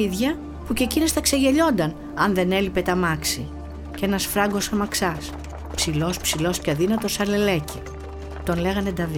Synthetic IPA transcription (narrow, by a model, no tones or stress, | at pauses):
iðʝɐ | puce̞cinost̪ɐkse̞ʝe̞ʎo̞nd̪ɐn | ɐnðe̞ne̞lipe̞t̪ɐmɐksi | cenɐsfɾɐŋɡo̞sɐmɐksɐs | psilo̞spsilo̞scɐðinɐt̪o̞sɐɾle̞le̞ci | t̪o̞nle̞ɣɐned̪ɐvi